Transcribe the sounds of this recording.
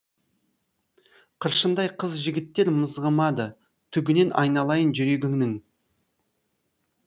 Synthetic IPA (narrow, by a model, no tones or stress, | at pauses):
qʰəɾʃənd̪ɑjqʰəzʒɪɡʲɪt̪ːe̞ɾməzʁəmɑd̪ə | t̪ʰʏɡʲɪne̞nʔɑ̰jnɑlˠɑjənʒʏɾe̞ɡʲɪŋnɪŋ